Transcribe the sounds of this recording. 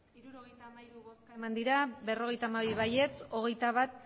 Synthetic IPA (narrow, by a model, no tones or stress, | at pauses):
iɾuɾoɣejaiɾuɣomand̪iɾaβe̞ro̞ɣ̞e̞jt̪aːmaβiβaje̞t͡so̞ɣe̞jt̪aβat̪̚